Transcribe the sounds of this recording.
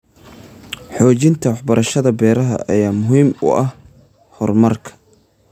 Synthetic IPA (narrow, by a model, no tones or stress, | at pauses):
ħɔːt͡ʃɪnt̪ʰɐwɑħbɐɾɐʃɐðɐbɛːɾɐɦɐ̰ʔɐ̰jaːmʊɦiːmʊ̰ɐh | hɔrmɐrkʰɐ̥